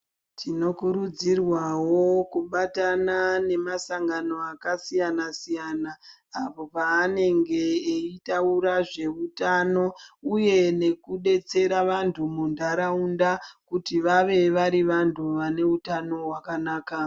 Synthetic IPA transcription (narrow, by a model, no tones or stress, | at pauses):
tʰino̞kuɾud͡zirwawo̞kuɓatanane̞masaŋɡano̞akasijanasijanaː | po̞paːne̞ŋɡe̞ːitauɾaʐe̞utano̞uje̞ne̞kuɗe̞t͡se̞ɾaʋantʰumundaɾaundakutiʋaʋe̞ʋaɾiʋantʰuʋane̞utano̞ɦwakanaːka